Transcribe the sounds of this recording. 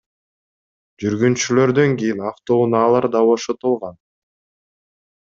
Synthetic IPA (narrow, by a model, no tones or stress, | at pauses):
d͡ʒyɾɡynt͡ʃylø̞ɾd̪ø̞ŋɡʲijinɑft̪ounɑːlˠɑɾd̪ɑβo̞ʃot̪ulˠʁɑn